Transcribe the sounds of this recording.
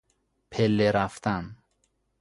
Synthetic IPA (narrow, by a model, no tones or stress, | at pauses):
pʰelːeɾaft̪an